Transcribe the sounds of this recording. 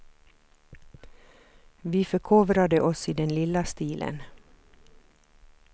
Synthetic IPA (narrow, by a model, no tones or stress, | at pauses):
ʋiːfœkʰoːʋɾad̪əʔɔsiːd̪ɛnlɪlːast̪iːlʔə̰n